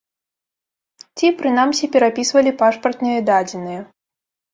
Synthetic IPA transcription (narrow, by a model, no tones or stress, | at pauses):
t͡sʲipɾɨnamsʲipʲɛɾapʲisvɐlʲipaʂpɐrt̪nɨjɛd̪ad͡zʲɛnɨjɛ